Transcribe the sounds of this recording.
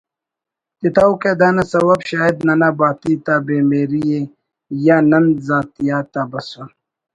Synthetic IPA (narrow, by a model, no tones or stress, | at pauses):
t̪it̪awked̪aːnɐsɐwɐbɕaːjed̪nɐnabaːt̪it̪abeːmeːɾije | janɐnzaːt̪ijaːt̪abɐsun